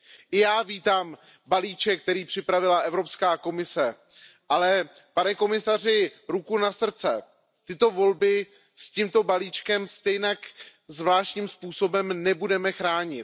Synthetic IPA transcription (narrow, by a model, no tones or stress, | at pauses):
ʔɪjaːviːt̪aːm | baliːt͡ʃɛk̚t̪ɛɾiːpr̝̥ɪpɾavɪlaʔɛvɾo̞pskaːko̞mɪsɛ | ʔalɛpanɛko̞mɪsarɪɾukunasr̩t͡sɛ | t̪ɪt̪o̞vo̞lbɪ | scimt̪o̞baliːt͡ʃkɛmst̪ɛjnak | zvlaːʃɲiːmspuːso̞bɛmnɛbudɛmɛxɾaːɲɪt̪